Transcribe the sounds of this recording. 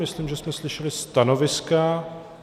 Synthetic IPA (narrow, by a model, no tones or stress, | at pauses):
mɪsliːmʒɛsmɛslɪʃɛlɪst̪anovɪska